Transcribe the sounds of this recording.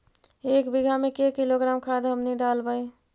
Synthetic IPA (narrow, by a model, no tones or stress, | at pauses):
ekbiɡʱamekekiloɡɾamkʰad̪ʱɦəmniɖalbəj